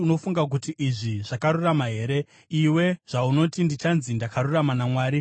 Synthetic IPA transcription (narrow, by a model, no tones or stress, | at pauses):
uno̞fuŋɡak̬utiʔiʐiʐ̥akaɾuramaɦe̞ːɾe̞ | iwe̞ʐ̥auno̞tindit͡ʃanzindakaruramanamwaːɾi